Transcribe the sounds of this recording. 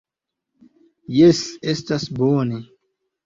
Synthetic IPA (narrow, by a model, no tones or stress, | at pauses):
jesestasbone